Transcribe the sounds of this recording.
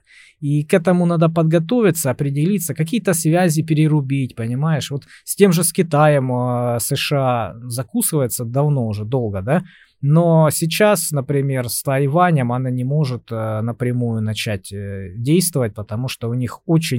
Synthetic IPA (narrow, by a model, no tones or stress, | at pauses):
ikɛt̪əmʊnad̪əpəd̪ɡɐt̪o̞vʲɪt̪səɐpɾʲɪdʲɪlʲit̪sːəkɐkʲijət̪əsvʲæzʲɪpʲɪɾʲɪɾʊbʲit̚ʲpənʲɪmajɪʂvo̞t̪sʲtʲe̞mʐɨskʲɪt̪ajəmsɨʂɨazɐkusɨvəjɪt̪səd̪ɐvno̞ʊʐɛd̪o̞lˠɡəd̪a | nosʲɪt͡ɕasnəpɾʲɪmʲe̞rst̪ɐjvanʲəmɐnanʲɪmo̞ʐɨt̪nəpɾʲɪmujʊnɐt͡ɕætʲdʲejst̪vəvət̚ʲpət̪ɐmuʂt̪oʊnʲixot͡ɕɪnʲ